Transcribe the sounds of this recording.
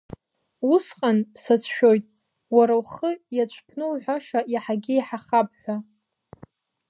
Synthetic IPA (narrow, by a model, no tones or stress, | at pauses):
usqʼansat͡sʷʰʃᶣo̞jtʼ | waɾawχəjat͡ʃʷʰʼpʰnɨwħʷᶣaʂajaħaɡʲɪjħaχap̚ʰʼħᶣʷa